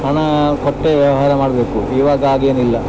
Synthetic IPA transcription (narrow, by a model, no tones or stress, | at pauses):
ɐɳɐkɔʈːeʋjɐʋɐɦaːɾɐmaːɽɐbeːkuiːʋaːɡɐaːɡeːnilːɐ